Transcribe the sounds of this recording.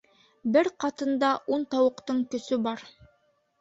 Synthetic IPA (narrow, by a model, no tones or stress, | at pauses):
bɘɾqɑt̪ɤ̆nd̪ɑʔunt̪ɑwɤ̆qt̪ɤɴkɵ̆sɵbɑɾ